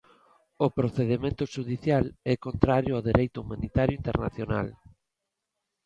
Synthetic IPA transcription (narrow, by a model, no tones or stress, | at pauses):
opɾoθeðemẽnt̪ʊʃuðiθjalɛkont̪ɾaɾjoaðeɾejt̪ʊumãnit̪aɾjʊint̪eɾna̰θjona̰l